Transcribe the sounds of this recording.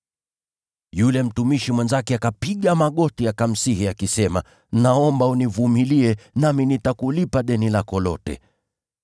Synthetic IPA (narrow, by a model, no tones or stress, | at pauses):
julɛm̩tumiʃimwɛnzakɛakapiɠamaɠɔtiakam̩sihiakisɛma | naɔmbaunivumiliɛnaminitakulipaɗɛnilakɔlɔ̰tɛ̰